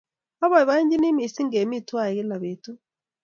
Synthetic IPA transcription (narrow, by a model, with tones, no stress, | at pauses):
a˦βa˨i˨βa˦i˦ɲd͡ʒi˦ni˦mi˨si˦ŋɡe˨mi˦˨twa˦˨e˨ki˦la˨βe˨tu˦